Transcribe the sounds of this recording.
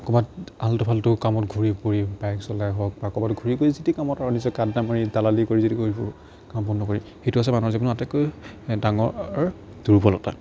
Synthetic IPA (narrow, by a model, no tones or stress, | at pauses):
akɔbataltɔpʰaltʊkamɔtɡʱuɹipoɹibajksɔlajɦɔk̚bakɔbatʊɡʱuɹipoɹizitikamɔtaɹɔnisɔkadːamaɹidalalikoɹizitikoɹibɔ | kampɔnːɔkoɹixetuasɛmanɔzibunatɛkojdaŋɔɹ | duɹbɔlɔta̰